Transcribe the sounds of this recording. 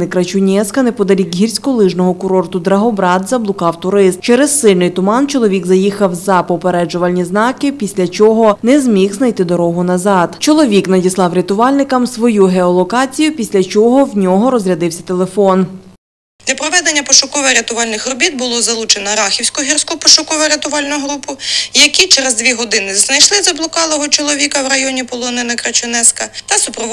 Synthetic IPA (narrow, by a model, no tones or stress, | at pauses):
ɪkɾɐt͡ʃʊnʲɛskɐnɛpɔd̪ɐlʲikɦirʲsʲkɔlˠɪʒnɔɦɔkʊɾɔrt̪ʊd̪ɾɐɦɔbɾɑd̪zɐblˠʊkɑwt̪ʊɾɪst̪̚t͡ʃɛɾɛssɪlʲnɪjt̪ʊmɑnt͡ʃɔlˠɔʋʲiɡzɐjixɐwzɐpɔpeɾɛd͡ʒʊʋɐlʲnʲiznɑkɪpʲisʲlʲɐt͡ʃɔɦɔnɛzmʲixznɐjt̪ɪd̪ɔɾɔɦʊnɐzɑd̪t͡ʃɔlˠɔʋʲiknɐdʲislˠɑwɾʲɐt̪ʊʋɑlʲnɪkɐmsʋɔjuɦeɔlˠɔkɑt͡sʲijʊpʲisʲlʲɐt͡ʃɔɦɔwnʲɔɦɔɾɔzɾʲɐd̪ɪwsʲɐt̪e̞lˠefɔn | d̪lʲɐpɾɔʋɛd̪enʲːɐpɔʃʊkɔʋɐɾʲet̪ʊʋɑlʲnɪxrɔbʲit̪̚bʊlˠɔzɐlˠut͡ʃenɐɾɑxʲiwsʲkɔɦʲirsʲkɔpɔʃʊkɔʋɐɾet̪ʊʋɑlʲnʊɦɾupʊjɐkit͡ʃɛɾezd̪ʋʲiɦɔd̪ɪnɪznɐjʃlˠɪzɐblˠɔkɑlˠɔɦɔt͡ʃɔlˠɔʋʲikɐwɾɐjɔnʲipɔlˠɔnɪnɐkɾɐt͡ʃʊnɛskɐt̪ɐsʊpɾɔ